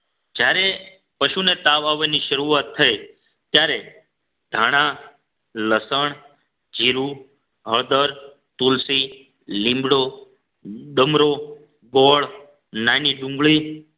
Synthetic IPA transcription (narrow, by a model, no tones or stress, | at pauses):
d͡ʒjaɾe | pəʃunet̪aʋaʋeniʃəɾuʋat̪ʰːəe | t̪jaɾe | d̪ʱaɽ̃ã | ləsəɳ̃ | d͡ʒiɾu | ɦəɭd̪əɾ | t̪ulsi | lĩmbɽo | ɗəmɾo | ɡɔɭ | naniɖũŋɡɭi